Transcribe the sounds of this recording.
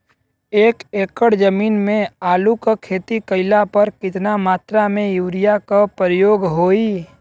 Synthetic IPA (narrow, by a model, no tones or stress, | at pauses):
eːkeːkəɽd͡ʒəmiːnmẽaːlukakʰeːt̪ikəɪlapɐɾkɪt̪namaːt̪ɾamẽjuːɾɪjakapəɾjoːɡɦoːi